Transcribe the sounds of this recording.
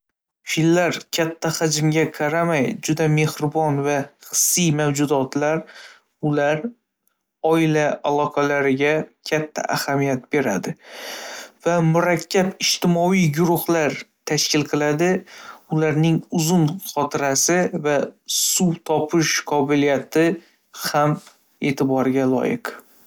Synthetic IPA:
filːaɾkʲʰat̪ʰːaχad͡ʒɪmɡʲaqʰɑɾamajd͡ʒʊd̪ame̞hɾɪbɒnvaχɨ̥sːijmawd͡ʒʊd̪ɒt̪laɾ | ʊlaɾ | ɒɪlaalˠɒqʰɑlaɾɪɡʲakʲʰat̪ʰːa̰ʔahamijat̪̚be̞ɾad̪ɪ | vamʊɾakʲʰːapɪʃt̪ɪmɒijɡʊɾʊhlaɾt̪ʰaʃkʲɪlqʰɨlˠad̪ɪʊlaɾnɪŋʊzʊnχɒt̪ʰɪɾasɪvasut̪ʰɒpʰɪʃqʰɒbɪlijat̪ɪ | ham | e̞t̪ʰɪbɒɾɡʲalˠɒ̰jɪq

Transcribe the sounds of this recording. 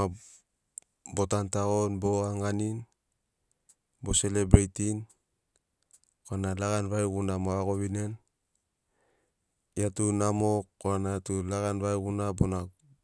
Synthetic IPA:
a | bo̞tantaɣonbo̞aŋanin | bo̞se̞lebɾejtin | koanalaɡanβajɣunamoaɣo̞βinen | jatunamokoanaatulaɡanβajɡunabona

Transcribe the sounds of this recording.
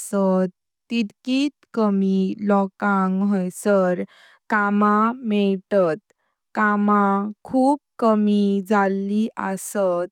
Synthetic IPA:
sət̪ː | it̪kiːt̪kəmilɔkãŋɡɦɔjsəɾ | kamamɛɭʈət̪ | kamakʰuːp̚kəmid͡zalːiʔəsət̪

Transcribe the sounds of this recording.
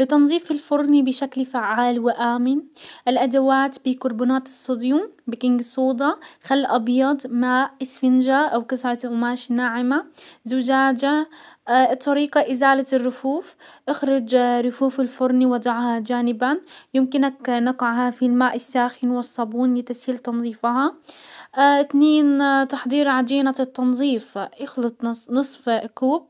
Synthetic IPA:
lɪt̪ɑnzˤiːfɪlfʊɾˤnibɪʃaklfaʕːaːlwɪʔaːmɪnʔɪlʔad̪awaːt̪bikʊɾbuːnaːt̪ɨsˤːʊd̪juːmbɪkɪŋɡsˤuːd̪ˤɑxalːʔɑbjɑd̪ˤmaːʔɪsfɪnd͡ʒaʔawkasɾˤɑʔʊmaːʃnaːʕɪmazʊd͡ʒaːd͡ʒa | t̪ˤːɑɾiːqɑʔɪzaːlarːʊfuːfʔɪxɾɪd͡ʒɾˤʊfuːfɪlfʊɾˤniwɑd̪ˤɑʕhad͡ʒaːnɪbanjɪmkɪnaknɑqɪʕhafilmaːʔɪsːaːxɪnwɪsˤːɑbuːnlɪt̪ashiːlt̪ɑnzˤiːfɦɑ | ɪt̪neːnt̪ɑħd̪ˤiːɾʕad̪iːnat̪ˤːɑnzˤiːfʔɪxlɑt̪ˤnɨsˤfkuːb̚

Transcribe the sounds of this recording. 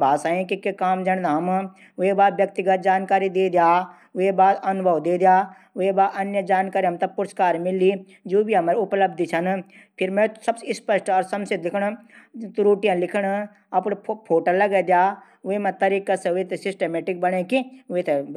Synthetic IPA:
baːsaːẽkikekaːmd͡ʒɐnnaːm | ʋebaːd̪ʋjɐk̚t̪ɪɡət̪̚d͡ʒaːnkaːɾid̪eːd̪jaː | ʋebaːd̪ɐnʊbʱɐʋd̪eːd̪jaː | ʋebaːd̪ɐnjəd͡ʒaːnkaːɾiɦɐmt̪ɐpʊɾəskaːɾmɪli | d͡ʒoːbʱiɦɐmaɾʊpləb̚d̪it͡ʃʰɐn | pʰɪɾmẽsɐbsɪspəʃʈɔɾsɐmsɪt̪lɪkʰɽ | t̪uɾoːʈijɐ̃lɪkʰɽ | ɐpɽpʰoːʈəlːɐɡed̪jaː | ʋemɐ̃t̪ɐɾiːkɐsʋet̪esɪsʈemeːʈɪk̚bɐɽẽkiʋet̪e

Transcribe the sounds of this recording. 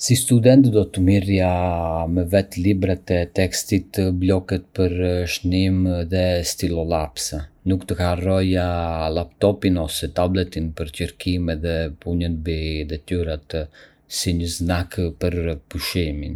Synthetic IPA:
sist̪ud̪ɛnt̪d̪ɔt̪əmirjamɛvɛt̪libɾat̪ɛt̪ɛkst̪it̪əblɔkɛt̪̚pəɾʃnimðɛst̪ilɔlapsanukt̪əkarɔjalapt̪ɔpinɔsɛt̪ablɛt̪inpəɾcəɾkimɛðɛpuɲənbid̪ɛt̪yɾat̪ | siɲəznakpəɾpuʃimin

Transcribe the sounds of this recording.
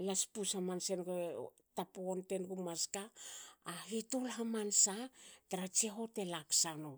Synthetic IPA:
laspusamansenɡe | tapoonte̞nɡumaskaː | ɦitolɦamansataɾat͡ʃeɦo̞te̞laksano

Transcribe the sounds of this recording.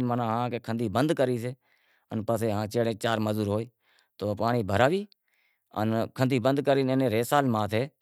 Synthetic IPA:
mənãːɦãːkekʰənd̪ʱiːbənd̪kəɾiːseː | ənpəseːɦãːt͡ʃeːɽẽːt͡ʃaːɾməzuːɾɦoːiː | t̪oːpaːɳiːbʱəɾaːʋiː | ə̰nkʰənd̪iːbənd̪kəɾiːnenẽːɾeːsaːlmãːt̪ʰeː

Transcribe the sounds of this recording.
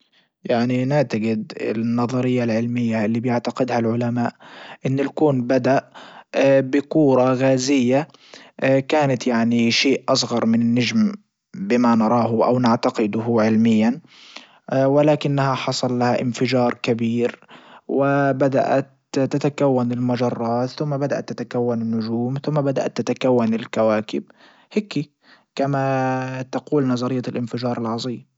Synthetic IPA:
jaʕninaʕt̪aɡɪd̪ɪ̰nːɑðˤɑɾɪjːalʕɪlmɪjːaʔɪlːiːbjɪʕt̪aqɪd̪halʕʊlamaːʔʔɪnːɪlkuːnbad̪aʔ | bɪkuːɾˤɑɣaːzɪjːa | kaːnat̪jaʕniʃeːʔʔɑs̬ˤɣɑɾˤmɪnɪnːad͡ʒm | bɪmanɑɾˤɑːɦʊʔa̰wnaʕt̪aqɪd̪ʊhʊʕɪlmɪjːan | wɪlaːkɪnːahaħɑsˤɑlːahaʔɪnfɪd͡ʒɑːɾˤkabiːɾwɪbad̪a̰ʔa̰t̪ː | at̪akawːanɪlmʊd͡ʒɑrˤːɑːt̪θʊmːabad̪aʔa̰t̪ːat̪akawːanɪnːʊd͡ʒuːmθʊmːabad̪a̰ʔa̰t̪ːat̪akawːanɪlkawaːkɪb̚ | hɪki | kamat̪aquːlnɑzˤɑɾɪjːalʔɪnfɪd͡ʒɑːɾˤɪlʕɑzˤiːm

